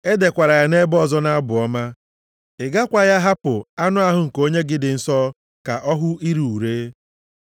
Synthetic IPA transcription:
e˦de˨kʷa˨ɾa˨ja˦ne˦bɔ˦zɔ˦na˦a˦bʊ˨ɔ˦ma˦ | ɪ˨ɡa˦kʷa˨ja˦ɦa˦pʊ˨a˦nʊ˦a˦ɦʊ˦ŋ̩˨ko˦ɲe˦ɡɪ˦dɪ˨n̩˨sɔ˦ | ka˨ʔɔ˦ɦʊ˦ʔi˦ɾu˨u˨ɾe˦

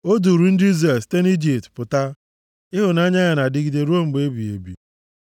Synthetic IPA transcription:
o˦du˨ɾu˨n̩˦dɪ˦ze˨ste˦n˦i˦d͡ʒi˨ptpʊ˨ta˦ | ɪ˦ɦʊ˨na˦ɲa˦ɲa˨na˨dɪ˦ɡi˨de˦ɾo˦m̩˨ɡ͡be˦bi˨ḛ˨bḭ˨

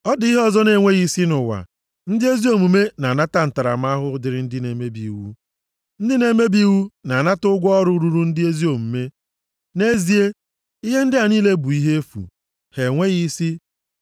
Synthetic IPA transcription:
ɔ˦di˦ɦɔ˦zɔ˦ne˨ŋʷe˦ɣi˦si˦nʊ˨wa̰˨ | n̩˦dɪ˦e˦zi˦o˦˨mu˨me˦na˨na˦ta˦n̩˨ta˨ɾa̰˨m˦a˦ɦʊ˦dɪ˨ɾɪ˦n̩˦dɪ˦ne˨me˦bḭ˨wṵ˦ | n̩˦dɪ˦ne˨˦me˦bi˦wu˦na˨na˦tʊ˦ɡʷɔ˦ɾʊ˦ɾu˨ɾu˦n̩˦dɪ˦e˦zi˦o˨mu˨me˦ | ne˦zi˨e˦ | i˦ɦe˦n̩˦dɪ˦a˨niː˦le˦bʊ˨i˦ɦe˦fṵ˨ | he˨ŋʷe˦ɣi˦si˦

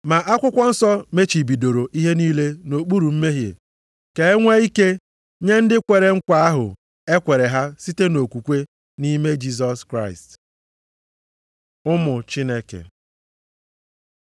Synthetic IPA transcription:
ma˨ʔa˦kʷʊ˦kʷɔ˦n̩˦sɔ˦me˦t͡ʃi˨bi˨do˨ɾo˨ʔi˦ɦe˦niː˦le˦no˨k͡pu˦ɾu˨m̩˦me˦ɦjḛ˨ | ke˨e˦ŋʷe˦i˦ke˦ | ɲe˦n̩˦dɪ˦kʷe˨ɾe˨ŋ̩˦kʷa˦a˦ɦʊ̰˨ | e˦kʷe˨ɾe˨ɦa˦si˦te˦no˨kʷu˨kʷe˦ | ni˦me˦d͡ʒi˦s̬ɔ˦skɾa˦˨ɪ̰˨st | ʊ˦mʊ˨t͡ʃɪ˦ne˦kḛ˨

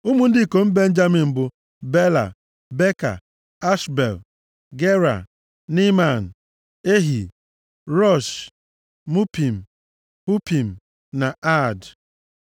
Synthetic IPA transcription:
u˦mu˦n̩˦dɪ˦˨ko˨m̩˦be˦n̩˦d͡ʒa˦mi˨m̩˨bʊ˨ | be˦la̰˨ | be˦ka̰˨ | a˦ʃbḛ˨l | ɡe˦ɾa̰˨ | ni˦ma˨n̩˨ | e˦ɦi˨ | ɾɔ˦˨ʃ | mu˦pi˨m̩˨ | mu˦pi˨m̩˨ | na˨a˦˨d

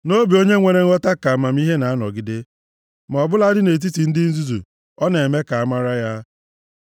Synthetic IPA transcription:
no˦bi˨o˦ɲe˦ŋʷe˨ɾe˦ŋ̩˦ɔ˦ta˦ka˨a˨ma˨m̩˦i˦ɦe˦na˨a˦nɔ̰˨ɡɪ˨˦de˦ | ma˨ɔ˨bʊ˦la˦dɪ˦ne˨t̬i˦ti˨n̩˦dɪ˦n̩˦zu˦zṵ˨ | ɔ˦ne˨e˨me˦ka˨a˦ma˦ɾa˦ja˦

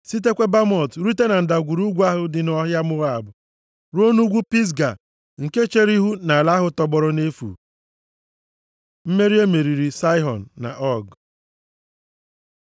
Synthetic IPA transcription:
si˦t̬e˦kʷe˦ba˦m˦ɔ˨tɾu˦te˦na˨n̩˨da˨ɡʷu˨ɾu˦ɡʷu˦a˦ɦʊ˦dɪ˨nɔ˦ɦja˦mʊ˦a˨bʊ˨ | ɾo˦nu˦ɡʷu˦pi˦s̬ɡa˨ | ŋ̩˨ke˦t͡ʃe˦ɾi˦ɦu˦na˨la˦ɦʊ˨˦tɔ˦bɔ˦ɾɔ˦ne˦fṵ˨ | m̩˦me˦ɾi˦e˦me˨ɾi˨ɾi˨sa˦ɪ˦ɦɔ˨n̩ː˨a̰˨ʔɔ˦˨ɡ

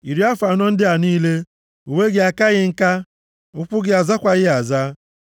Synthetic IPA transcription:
i˨ɾi˨˦a˦fa˨nɔ˦n̩˦dɪ˦a˨niː˦le˦ | u˨we˦ɡɪ˦a˨ka˦ɣɪ˦ŋ̩˦ka˦ | ʊ˦kʷʊ˦ɡɪ˦a˨za˦kʷa˨ɣɪ˦a˨za˦

